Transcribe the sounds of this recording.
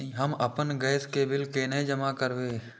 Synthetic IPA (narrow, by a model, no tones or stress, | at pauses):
ɦəməpənɡəɪskebɪlkenəĩd͡ʒəmakəɾweː